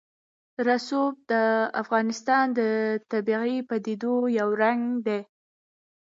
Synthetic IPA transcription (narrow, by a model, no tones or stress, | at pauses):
ɾasob̚d̪əafɣɑnɪst̪ɑnd̪ət̪abiɣipad̪id̪ojawɾaŋɡd̪e